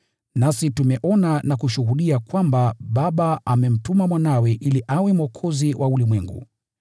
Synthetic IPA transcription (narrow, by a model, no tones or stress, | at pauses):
nasitumɛʔɔnanakuʃuɦuɗiakwambaɓaɓaamɛm̩tumamwanawɛʔiliʔawɛmɔkʰɔziwʔaulimwɛŋɡṵ